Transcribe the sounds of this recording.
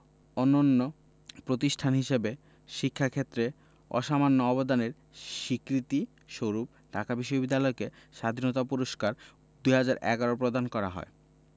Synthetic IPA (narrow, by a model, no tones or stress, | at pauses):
ɔnːonːo | pɾot̪iʃʈʰanɦiʃebe | ʃikʰːakʰet̪ːɾe | ɔ̰ʃamanːoɔbod̪aneɾ | ʃikɾit̪i | ʃoɾup̚ | ʈakabiʃːobid̪ːalɔekeʃad̪ʱinot̪apuɾoʃkaɾ | d̪ujɦad͡ʑaɾʔɛ̰ɡaɾoɾpɾod̪ankɔɾa̰ɦɔ̰e